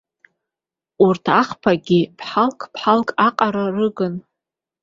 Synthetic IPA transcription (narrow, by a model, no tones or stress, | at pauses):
urtʰaχpʰaɡʲipʰħalkʰʼpʰħalkʼaqʼaɾarɨɡɨn